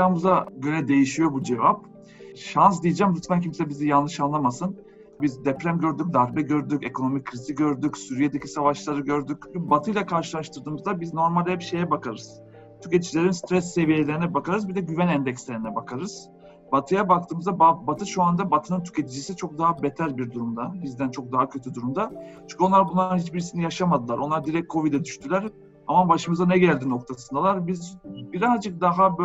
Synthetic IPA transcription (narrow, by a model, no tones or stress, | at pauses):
amuzaɟølʲɛd̪e̞jiʃijo̞bud͡ʒe̞vap̚ | ʃans̬d̪ijid͡ʒæmɾyt̪vmæncʰimsɛbizijanlˠɯʃanlˠamasɯn | bizd̪ɛpɾæmɟøɾd̪yc̚d̪aɾbɛɟø̞ɾd̪yce̞kʰo̞no̞mickʰːɾiziɟøɾd̪ycsyɾijed̪ecʰisavaʃlˠaɾɯɟø̞ɾd̪ycbat̪ʰɯjlʲˠakʰaɾʃɯlˠaʃt̪ʰɯɾd̪ɯːmɯzd̪abizno̞ɾmalʲɛpʃe̞jɛbakʰaɾɯz̥ | t̪ʰycet̪ʰid͡ʒilʲe̞ɾinst̪ʰɾɛsːe̞vijelʲeɾinɛbakaɾɯzbid̪ɛɟyvænɛnd̪ɛcslʲe̞ɾinɛbakʰaɾɯz̥ | bat̪ʰɯjabak̚t̪ʰɯːmɯzd̪ababat̪ʰɯʃuand̪abat̪ʰɯnɯnt̪ʰy̥ce̞t̪ʰid͡ʒisit͡ʃʰo̞k̚d̪aɦabet̪ʰælʲbiɾd̪uɾumd̪abizd̪ænt͡ʃʰo̞k̚d̪aɦacʰøt̪ʰyd̪uɾumd̪at͡ʃʰyɲcʰʲonˠaɾbunlˠaɯnhit͡ʃbiɾisinijaʃamad̪ɯlˠaɾʔo̞nlˠaɾd̪iɾɛc̚kʰo̞vid̪ɛd̪yʃt̪ʰylʲæɾ | amabaʃɯmɯzanɛɟælʲd̪ino̞kt̪ʰasɯnd̪alˠaɾbizbiɾazd͡ʒɯk̚d̪aɦab